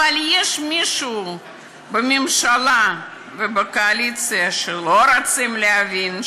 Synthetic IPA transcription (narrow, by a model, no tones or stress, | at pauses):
alʲjeʃmʲiʃuː | bɨmʲemʃalˠa | vɨbɨkoalʲit̪t͡s̪ɨjaʃelˠoɾat̪sɨmleavʲin